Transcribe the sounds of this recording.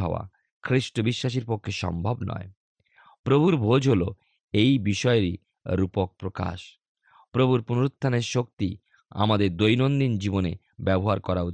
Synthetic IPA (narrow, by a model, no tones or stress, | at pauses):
ɦɔ̰a̰ | kʰɾiʃʈobiʃːaʃ̬iɾpokʰːeʃɔ̰mbʱabnɔ̰e | pɾobʱuɾbʱod͡ʑɦolo | ejbiʃɔeɾḭ | ɾupok̚pɾoka̰ʃ | pɾobʱuɾpunoɾot̪ʰːaneɾʃok̚t̪i | a̰mad̪eɾd̪ojnond̪ind͡ʑibone | bɛboɦaɾkɔɾau